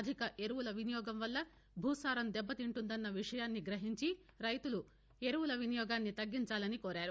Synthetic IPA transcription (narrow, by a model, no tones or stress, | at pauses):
d̪ʱikɐʔe̞ɾuwulɐʋinijɔːɡɐmʋɐlːɐ | bʱuːsaːɾɐmd̪ɛbːɐt̪iɳʈund̪ɐnːɐʋiʂɐjaːnːiɡɾɐɦiɲt͡ʃi | ɾɐjt̪ulu | e̞ɾuwulɐʋinijɔːɡaːnːit̪ɐɡːiɲt͡ʃaːlɐnikoːɾaːɾu